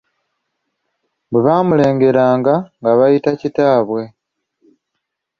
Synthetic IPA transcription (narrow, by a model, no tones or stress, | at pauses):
beβaːmule̞ːŋɡe̞ɾaːŋɡaŋɡaβajitacitaːβwe̞